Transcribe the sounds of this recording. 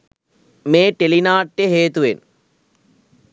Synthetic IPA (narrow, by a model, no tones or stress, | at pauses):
meːʈːelinaːʈːeɦeːt̪uʋen